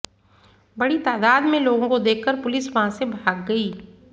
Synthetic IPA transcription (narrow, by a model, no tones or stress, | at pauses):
bɐɽit̪aːd̪aːd̪mẽloːɡõkod̪eːkʰːəɾpʊlɪsʋɐɦãsebʱaːɡːɐiː